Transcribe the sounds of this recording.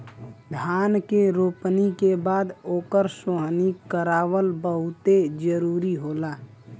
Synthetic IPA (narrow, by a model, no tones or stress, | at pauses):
d̪ʱaːnkeɾoːpnikebaːd̪oːkəɾsoɦnikəɾaːwəlbəɦʊt̪ed͡ʒəɾuːɾiɦoːlaː